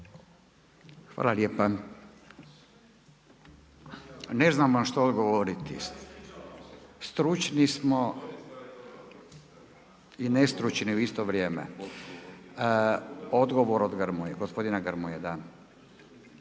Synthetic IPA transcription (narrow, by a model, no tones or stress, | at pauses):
xʋa̰ːlaljeːpa | ne̞znamʋamʃt̪ood̪ɡoʋoɾit̪ḭ | st̪ɾut͡ʃnismo | inest̪ɾut͡ʃniuist̪oʋɾjeːmḛ | od̪ɡoʋoɾod̪ɡəɾmujeɡospo̞d̪inaɡəɾmujed̪a